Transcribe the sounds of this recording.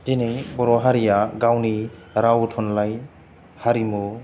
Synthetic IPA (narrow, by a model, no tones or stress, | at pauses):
dinejbɔɾɔɦaɾijaɡawni | ɾawtʰɔnlaj | haɾimu